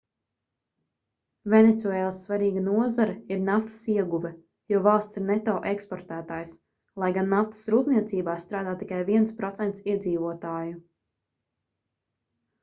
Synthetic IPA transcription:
venet̪suɛːlˠsːvaɾiːɡanuɔzaɾɛiɾnaft̪ɐ̥siɛɡuvɛ | juɔvalˠst̪siɾnɛt̪ɔːʔekspɔɾt̪æːt̪aːjs | lˠajɡanːaft̪ə̥sɾuːp̪niɛt̪siːbaːst̪ɾaːd̪aːt̪ːikajviɛnspɾɔt̪sɛnt̪siɛd̪ziːvuɔt̪aːju

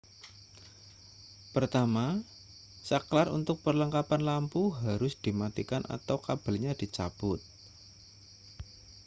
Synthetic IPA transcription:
pərt̪ama | saklarṵnt̪ʊk̚pərləŋkapanlampuɦaɾʊsd̥i̤mat̪ikanʔa̰t̪awkab̥a̤lɲad̥i̤t͡ʃab̥ʊt̪̚

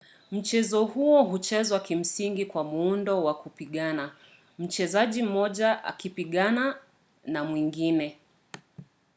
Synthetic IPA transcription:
m̩t͡ʃɛzɔhuɔɦut͡ʃɛzwakim̩siŋɡikwamuundɔwakupiɠana | m̩t͡ʃɛzaʄim̩mɔʄaʔa̰kipiɠana | namwiŋɡinɛ

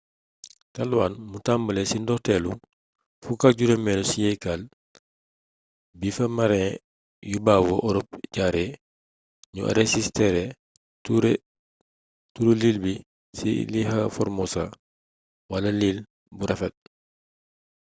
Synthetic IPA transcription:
talwaːnmutambɐlesindɔtɛːlu | fukaɟuɾemɛlosijɛjkal | bifɐmaɾɛ̃ | jubaːwoʔɔɾɔp̚ɟaɾe | ɲṵʔɐ̰ɾesistɛɾe | tuɾe | tuɾuliːlbi | sḭlihɐfɔɾmosa̰ | walɐliːl | buɾɐfɛt̚

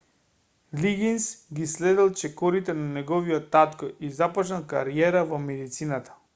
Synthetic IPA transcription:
liɡinsɡislɛd̪ɛlˠt͡ʃɛkɔɾit̪ɛnanɛɡɔviɔt̪ːat̪kɔʔizapɔt͡ʃnalˠka̰ɾiɛɾavɔmɛd̪it̪sinat̪ḁ

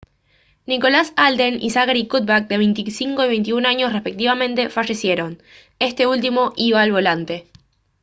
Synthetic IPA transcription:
niko̞lasald̪enḭsaɣaɾikut̪̚bak̚d̪e̞βe̞jnt̪isiŋkoiβe̞jnt̪iunaɲo̞srespe̞k̚t̪iβamẽ̞nt̪e̞faʃe̞sje̞ɾo̞n | e̞st̪e̞ult̪̬imo̞ʔiβaːlβo̞lant̪e̞

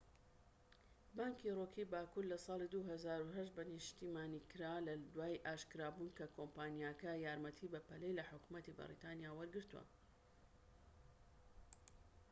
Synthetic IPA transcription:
baːŋkʰiroːkʰibaːkuɾlɐsˤɑːlid̪uɦɐzaːɾuɦɐʃt̪bɐnɨʃt̪iːmaːnikɨɾaːlɐd̪waːjʔaːʃkɨɾaːbunkɐkʰompaːnijakɐjaːɾmɐt̪ʰibɐpɐlejlɐħʊkumɐt̪ibɐ̰ɾḭt̪aːnjaːwɐɾɡɨɾt̪uwɐ̰

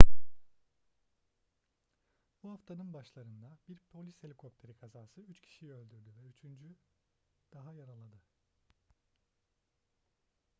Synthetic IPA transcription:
buɦaft̪ʰanɯnbaʃlˠaɾɯnd̪abiɾpʰo̞lʲishelʲikʰo̞p̚t̪ʰe̞ɾikʰazaːsɯyt͡ʃcʰi̥ʃiølʲd̪yɾd̪yvɛyt͡ʃʰynd͡ʒy | d̪̥aɦajaɾalˠad̪ɯ

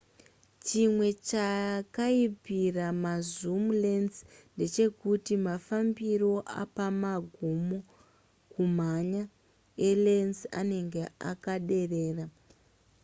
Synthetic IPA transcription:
t͡ʃimwe̞t͡ʃakaipiramazumle̞nsnde̞t͡ʃe̞kutimafambiɾo̞a̰pamaɡʱumo | kum̤aɲa | ele̞nsa̰ne̞ŋɡe̞a̰kaɗe̞re̞ːra

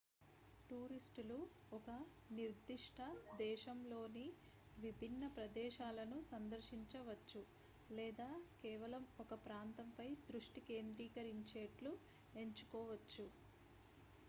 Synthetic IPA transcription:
ʈuːɾisʈulu | ɔkɐ | niɾd̪ːiʂʈʰɐd̪ɛːʃɐmlo̞ːni | ʋibʱinːɐpɾɐd̪ɛːʃaːlɐnusɐnd̪ɐɾʃiɲt͡ʃɐʋɐt͡ʃːu | lɛːd̪aːkɛːʋɐlɐmɔkɐpɾaːnt̪ɐmpɐjd̪ɾuʂʈike̞ːnd̪ɾiːkɐɾiɲt͡ʃeːʈlu | e̞ɲt͡ʃu̥kɔːʋɐt͡ʃːu

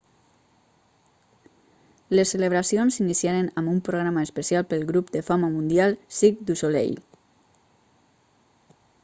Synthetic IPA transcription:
lesːeləβ̞ɾasionsinisiaɾenambumpɾoɣ̞ɾamaəspəsialˠpəlˠɣɾupd̪əfaməmund̪ialˠsikd̪usolḛj

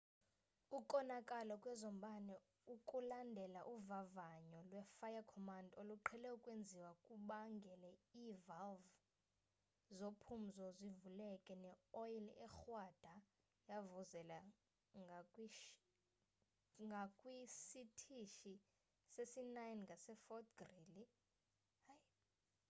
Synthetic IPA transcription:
ukʼɔnakʼalɔkʼwɛzɔm̩ɓanɛ | ukʼulandʱɛlaʔuvavaɲɔlwɛfajakʰɔmandoluǃʰɛlɛukʼwend͡zʱiwakʼuɓaŋɡʱɛlɛiːvalv | zopʰum̩zɔzivulɛkʼɛnɛɔjlɛxwad̥ʱa | javuzɛla | ŋɡʱakʼwiʃ | ŋɡʱakʼwisitʰiʃi | sesinajnŋɡʱasɛfɔtɡrili | haj

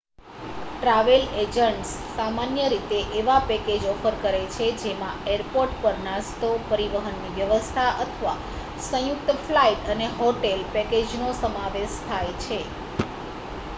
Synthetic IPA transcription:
ʈɾaʋeled͡ʒəɳʈsːamanjəɾit̪eʔeʋapɛked͡ʒɔfəɾkəɾet͡ʃʰed͡ʒemãeɾpoɾʈpəɾnast̪opəɾiʋəɦənːiʋjəʋəst̪ʰaʔət̪ʰəʋa̰ | sə̃juk̚t̪əflaiʈəneɦoʈelpɛked͡ʒnosəmaʋeʃt̪ʰajt͡ʃʰe

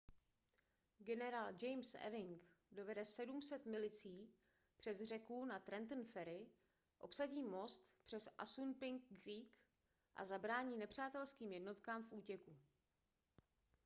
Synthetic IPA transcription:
ɡɛnɛɾaːld͡ʒɛjmsʔɛ̰vɪŋkdo̞vɛdɛsɛdumsɛt̪mɪlɪt͡siː | pr̝̥ɛzr̝ɛkunat̪ɾɛnt̪n̩fɛɾɪ | ʔo̞psaɟiːmo̞st̪pr̝̥ɛsʔa̰sunpɪŋkːɾiːk | ʔa̰zabɾaːɲiːnɛpr̝̥aːt̪ɛlskiːmjɛdno̞t̪kaːmfʔuːcɛku

